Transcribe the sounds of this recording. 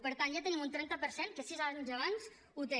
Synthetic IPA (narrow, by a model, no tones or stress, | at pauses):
pəɾt̪anʒat̪ənimunt̪ɾɛnt̪əpəɾsenkəsizaɲzəβanz | ut̪e